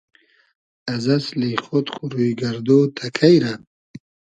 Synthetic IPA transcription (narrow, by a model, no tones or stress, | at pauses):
ɐzɐsliχot̪χuɾujɡaɾd̪oːt̪ʰakʰajɾa